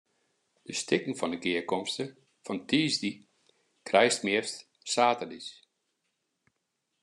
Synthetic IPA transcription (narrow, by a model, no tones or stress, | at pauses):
d̥əstʰɪkŋ̩fɔndəɡɪəkɔmstə | fɔntʰiːzdi | krɛjstmɪəst | saːtədis